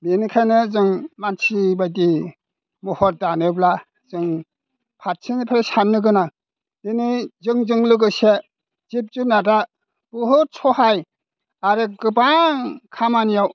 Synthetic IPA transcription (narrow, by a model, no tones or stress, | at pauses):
benikʰajnɯzɯŋmansibajdi | muhɔt̚danɯbla | z̥ɯŋ | pʰat̚sʰinpʰeɾesanːɯɡɯna | denizɯŋzɯŋlɯɡɯse | zip̚zunada | buɦɯsʰɔɦaj | aɾɯɡɯbaŋkʰamanijaw